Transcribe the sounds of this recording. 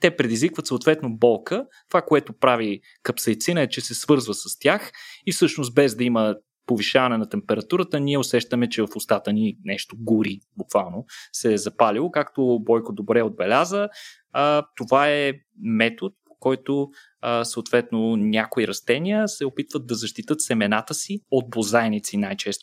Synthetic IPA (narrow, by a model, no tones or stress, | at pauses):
t̪ɛpɾɛd̪izvikvət̪soːt̪vɛt̪nobɔlˠkət̪ovakoɛt̪opɾavi | kɐpsɐjt̪sinəɛt͡ʃɛsɛsvɤɾzvəsɐst̪ʲaxifsɤʃnost̪̚bɛzd̪ɐimə | poviʃavɐnɛnɐt̪ɛmpɛɾɐt̪uɾət̪əniɛʊsɛʃt̪əmɛt͡ʃɛvɐfʊst̪at̪əninɛʃt̪oɡuɾibʊkvalˠnosɛzɐpalilˠokakt̪obɔjkod̪obɾɛod̪̚bɛlʲazə | ət̪ovaɛ | mɛt̪ot̪̚po̥kɔjt̪o | səot̪vɛt̪nonʲakoiɾɐst̪ɛniəsɛopit̪vəd̪̚d̪ːɐzɐʃt̪it̪ɤt̪sɛmɛnat̪əsiod̪̚bozajnit̪sinajt͡ʃɛst̪o